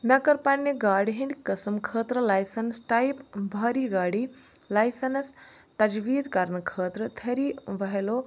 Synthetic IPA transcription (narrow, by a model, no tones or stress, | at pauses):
nɐkɐɾpanːeɡaːɽɦĩnd̪kɐsɐmkʰəːt̪ɾəlaːjsɐnsʈajpbʱɐːɾiɡaːɽiː | lajsɐns | t̪ɐd͡ʒʋiːd̪kɐɾnkʰəːt̪ɾət̪ʰɐɾiʋɐɦelo